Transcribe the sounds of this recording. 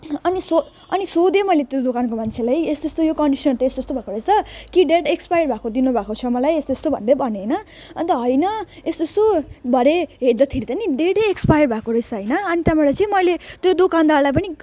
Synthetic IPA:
ʌniso | ʌnisod̪emʌjlet̪jod̪okankomant͡sʰelajesd̪ʌst̪ojokʌɳɖisʌnt̪ʌesʌst̪obʱakoɾʌjt͡sʰʌkiɖeɽekspajɽbʱakod̪inubʱakot͡sʰʌmʌlajest̪ost̪obʱʌ̰nd̪ebʱʌnenʌ | ʌnt̪ʌɦʌjnʌesd̪ʌst̪obʱʌɾeɦeɽd̪ʌt̪ʰiɾit̪ʌniɖeʈekspajɽbʱakoɾʌjt͡sʰʌɦʌjnʌʌnit̪amelajt͡sʌ̃ĩmʌjlet̪jod̪okand̪aɽlajp̬ʌni

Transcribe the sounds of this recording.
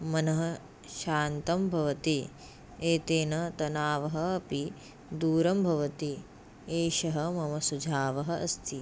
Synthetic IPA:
mɐnɐɦɐ̆ | ʃaːnt̪ɐmbʱɐʋɐt̪i | eːt̪eːnɐt̪ɐnaːʋɐɦɐɐpi | d̪uːɾɐmbʱɐʋɐt̪i | eːʃɐɦɐmɐmɐsud͡ʒʱaːʋɐɦɐʔɐ̰st̪ʰi

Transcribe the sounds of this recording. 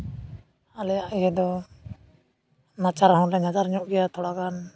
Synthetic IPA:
alɛjaʔiɦɛd̪ɔ | nat͡ʃaɾɦɔ̃lɛɲad͡ʒaɾɲɔʔɡɛjat̪ʰɔɽakan

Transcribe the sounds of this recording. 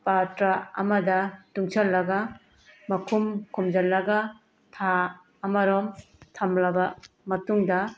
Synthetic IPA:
patɾaɐ̰mɐdɐtuŋsʰɐlːɐɡa | mɐkʰumkʰumd͡ʒɐlːɐɡa | tʰaː | mɐɾɔmtʰɐmlɐbɐ | mɐtuŋdɐ

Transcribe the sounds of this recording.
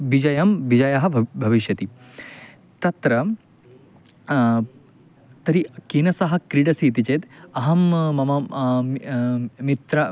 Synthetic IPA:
ʋid͡ʒɐjɐmʋid͡ʒɐjɐɦɐ̆bʱɐʋiʃjɐt̪i | t̪ɐt̪ɾɐ | t̪ɐɾikiːnɐsɐɦɐ̆kɾiɖɐsiːt̪it͡ʃeːt̪ɐɦɐmːɐmɐ | mit̪ɾɐ

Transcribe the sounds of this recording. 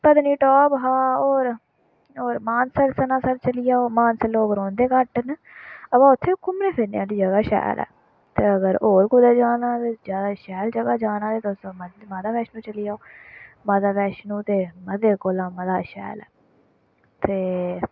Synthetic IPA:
pəd̪niːʈɔːbɦaːoːɾ | oːɾmaːnsəɾsənãːsəɾt͡ʃəlijaːoːmaːnsəɾloːkɾõːnd̪eːkəʈn | əpãːʊt̪ʰːeːkʊmneːpʰɪnjãːd̪iːd͡ʒəɡaːʃɛ̰ːlɛ̰ː | t̪eːəɡəɾoːɾkʊd̪eːd͡ʒaːnãːt̪eːd͡ʒaːdaːʃɛːld͡ʒəɡaːd͡ʒaːnãːd̪eːt̪osmmaːd̪aːbɛːʃnũːt͡ʃəlijaːoːmaːd̪aːbɛːʃnũːt̪eːməd̪eːkoːlãːməd̪aːʃɛ̰ːlɛ̰ː | t̪eː

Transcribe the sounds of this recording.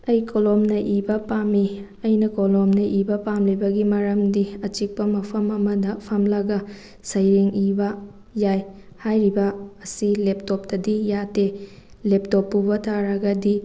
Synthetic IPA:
ɐjkʰolomnɐʔibɐpami | ɐjnɐkolomnɐʔibɐpamlibɐɡimɐɾɐmdiɐt͡ʃik̚pɐmɐpʰɐmɐmɐdɐpʰɐmlɐɡɐ | sɐjɾiŋibɐ | jaj | hajɾibɐːsilep̚top̚tɐdijatelep̚topːubɐtʰaɾɐɡɐdi

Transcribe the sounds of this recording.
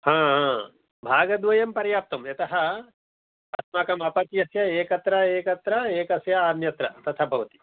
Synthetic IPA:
hãːɦãː | bʱaːɡɐd̪ʋɐjɐmpɐɾjaːp̚t̪ɐmjɐt̪ɐɦɐ | ɐsmaːkɐmɐpɐt̪jɐsjɐeːkɐt̪ɾɐeːkɐt̪ɾɐeːkɐsjɐaːmjɐt̪ɾɐt̪ɐt̪ʰɐbʱɐʋɐt̪i̥

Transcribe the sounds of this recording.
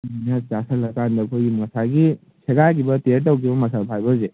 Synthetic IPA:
nat͡ʃasalɐkandɐkʰoimɐsaɡi | sʰeɡakibɐteɾt̬awkʰibɐmɐsapʰajbɐze

